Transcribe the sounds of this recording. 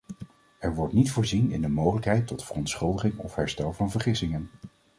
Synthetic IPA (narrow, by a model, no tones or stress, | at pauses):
ɛɹʋɔɹtnitfʊːɹzinɪ̰ndəmowχələkɦɛjtɔtfərɔntsχɵlˠdəχɪŋɔ̰fɦɛɹstɛlˠvɑnvəɹχɪsɪŋən